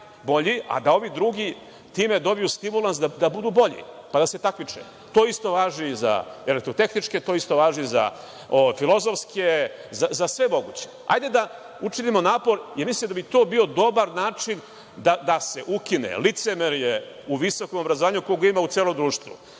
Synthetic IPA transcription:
bo̞ʎia̰d̪ao̞ʋid̪ɾuɡi | t̪iːme̞d̪o̞bijust̪imulˠansd̪ad̪abud̪uːbo̞ʎḭpad̪ase̞t̪akmit͡ʂḛ | t̪o̞ːist̪o̞ʋaːʒiza̰elekt̪ɾot̪e̞xnit͡ʃket̪o̞ːist̪o̞ʋaːʒiza̰ | ojfilˠo̞zo̞fskʰezazasʋe̞mo̞ɡṵːt͡ɕe̞a̰jd̪e̞d̪a | ut͡ʃinimo̞naːpo̞ɾjeɾmislimd̪abit̪o̞ːbio̞d̪o̞baɾnaːt͡ʂin | d̪ad̪ase̞ʔukinḛlit̪semeɾje | uʋiso̞komobɾazoaːɲukooɡoimaut̪seːlo̞md̪ɾuːʃt̪ʋṵ

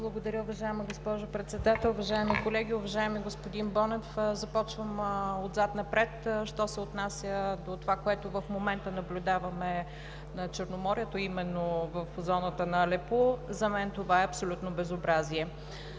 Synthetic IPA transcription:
blˠɐɡod̪ɐɾʲəʊvɐʒaɛmɐɡospɔʒopɾɛt̪sɛd̪at̪ɛlˠʊvɐʒaɛmikolɛɡʲiʊvɐʒaɛmiɡospod̪inbɔnɛfzɐpɔt͡ʃvəmod̪zat̪nɐpɾɛt̪ʃt̪ɔsɛot̪nasʲjəd̪ot̪ovakoɛt̪ʊvɐfmomɛnt̪ənɐblʲʊd̪avɐmɛ | nɐt͡ʃəɾnomɔɾiɛt̪oimɛnːovɐfzɔnət̪ənɐlɛpozɐmɛnt̪ovaɛɐpsolʲut̪nobɛzobɾaziɛ

